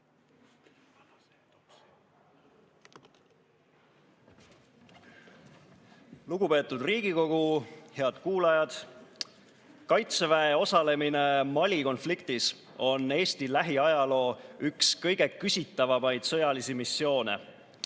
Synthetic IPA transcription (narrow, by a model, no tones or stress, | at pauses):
luɡ̥upe̞ːt̪ːˑud̪riːɡ̥iko̞ɡ̥uhe̞ɑd̪̥kuːlɑjɑd̪̥ | kɑjt̪sevæeo̞sɑle̞mine̞mɑlʲiko̞nflikt̪is | o̞nːe̞ːst̪ilæɦiɑjɑlo̞ːykskɤ̞jɡ̥e̞kysʲit̪ːˑɑvɑmɑjd̪̥sɤ̞jɑlisimisːjo̞ːnḛ